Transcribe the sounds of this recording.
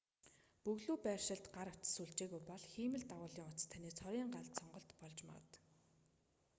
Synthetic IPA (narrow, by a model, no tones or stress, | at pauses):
pɵɣɮuːpæːrʃɪ̆ɮt̪ɢaɾʊt͡sə̥̆suɮt͡ɕeːɣujpɔɮxiːmɘ̆ɮt̪aʁʊːɮiːŋʊt͡st̪ʰaniːt͡sʰɔɾʲiːŋɢaɮt̪sɔɴɢɞ̆ɬt̪pɔɮt͡ɕma̰ʁə̰̆t̪